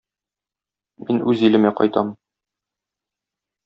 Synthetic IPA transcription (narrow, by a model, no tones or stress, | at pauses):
minʉzilɘ̆mæqɒ̰jt̪ɑm